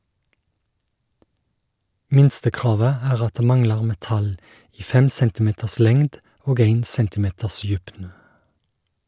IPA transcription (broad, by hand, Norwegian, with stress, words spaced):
ˈmɪnstəˌkʁɑːʋə ˈæːʁ ˈɑt ˈdeː ˈmɑŋlɑʁ mɛˈtɑl ˈiː ˈfɛm ˈsɛntɪˌmeːtəs ˈlɛŋd ˈoːɡ ˈeɪn ˈsɛntɪˌmeːtəs ˈjʉpnə